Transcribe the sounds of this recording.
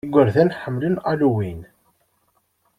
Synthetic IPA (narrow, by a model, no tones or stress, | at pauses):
ɡʷːəɾθænħəmːlənaluwin